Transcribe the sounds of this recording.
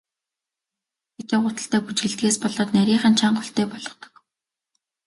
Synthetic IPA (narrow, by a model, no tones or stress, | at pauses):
xet̪eːʁʊːt̪ə̆ɬt̪æːput͡ɕɣɘ̆ɮt̪ɣeːspɔɮɔːt̪næɾʲiːχə̆nt͡ɕʰaɴɢʊɬt̪eːpɔɮɞ̆χt̪ɞ̥̆k